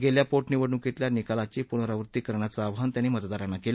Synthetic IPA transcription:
ɡeljapoʈniʋəɽũkit̪ljanikalat͡ɕipunɾaʋɾut̪ːiːkəɾɳjat͡saːʋɦant̪janːimət̪d̪aɾanːakel

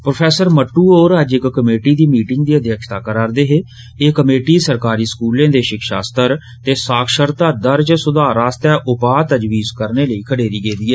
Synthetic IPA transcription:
pɾoːpʰɛːsəɾməʈːuːoːɾəd͡ʒɪkːəmeːʈiːd̪iːmiːʈɪŋɡd̪iːəd̪jəkʃt̪aːkəɾaːɾd̪eːɦeː | eːkəmeːʈiːsəɾkaːɾiːskuːlẽːd̪eːʃɪkʃa̰ːst̪əɾ | t̪eːsaːkʃəɾt̪aːd̪əɾd͡ʒsʊd̪aːɾaːst̪ɛːʔʊpaːt̪əd͡ʒʋiːzkəɾneːləiːkʰəɽeːɾiːɡeːd̪iːɛː

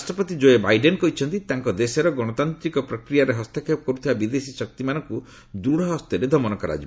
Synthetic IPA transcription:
asʈɾɔpɔt̪id͡ʒoebajɖenkɔɦit͡ʃʰɔnt̪it̪aŋkɔd̪esɔɾɔɡɔɽ̃ɔt̪ant̪ɾikɔpɾɔkɾijaɾeɦɔst̪ekʰepɔkɔɾut̪ʰibabid̪esisɔk̚t̪imanɔŋku | d̪uɽɔɦɔst̪eɾed̪ʱɔmɔnɔkɔɾa̰d͡ʒi

